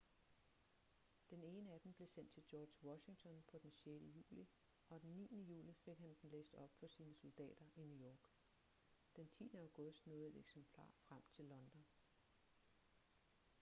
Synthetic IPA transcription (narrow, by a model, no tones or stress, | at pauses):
d̥ene̝ːnəæd̥em̩b̥le̝sen̰d̥t͡sʰe̝ld̥jɒːd̥jwɒ̽ɕɪ̝ŋt͡sʰɒ̽npʰɒ̽d̥ensjed̥əjṵːli | ʔɒ̽d̥enːḭːnəjṵːlife̝ɡ̥hænd̥en̩lḛːsd̥ɒ̽b̥fɒ̽siːnəso̝ld̥ɛ̰ːd̥ɐʔinujɒːɡ̥ | d̥ent͡sʰḭːnəɑ̈ʊɡ̥ɔ̽sd̥nɔð̩ˠed̥eɡ̥sempʰl̥ɑ̰̈ːfʁam̰t͡sʰe̝lːɒ̽nd̥ɒ̽n